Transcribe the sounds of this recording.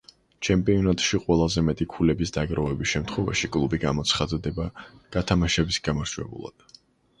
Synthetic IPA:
t͡ʃʰɛmpʼiɔnat̪ʼʃiqʼwɛlˠazɛmɛt̪ʼikʰulɛbisd̪aɡɾavɛbisʃɛmt̪ʰχwɛva̰ʃikʼlˠubiɡamɔt̪sʰχad̪d̪ɛbaɡ̥at̪ʰamaʃɛbisɡamaɾd͡ʒwɛ̰bṵlˠa̰d̪̥

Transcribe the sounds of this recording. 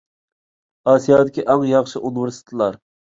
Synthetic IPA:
ɑːsijɑːd̪ɪkʲiʔɑŋjɑχʃɨʔunɪveɾsɪ̥t̪ʰɪlˠɑɾ

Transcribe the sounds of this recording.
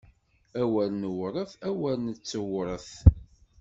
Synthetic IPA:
æwælnəwɾˤəθæwælnət͡sːəwɾˤəθ

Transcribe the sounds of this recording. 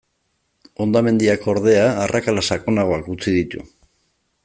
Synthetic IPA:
o̞nd̪ame̞nd̪iako̞ɾðe̞aːrʔakalasakonaɣ̞o̞akut͡siðit̪ṵ

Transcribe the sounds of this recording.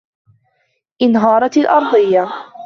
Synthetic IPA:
ʔɪnɦɑːɾˤɑlʔɑ̰ɾˤd̪ˤɨjːa

